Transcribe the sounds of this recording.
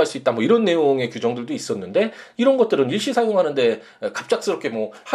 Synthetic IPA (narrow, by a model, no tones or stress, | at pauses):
aɭs͈uit͈̚amwʌiɾʌnːe̞joŋe̞kjud͡ʑʌŋdɯɭdois͈ʌnːɯnde̞iɾʌnɡʌt͈̚ɯɾɯniɭɕ͈isʰajoŋɦanɯnde̞ | ekap̚t͡ɕ͈ak̚s͈ɯɾʌpkʰe̞mwʌha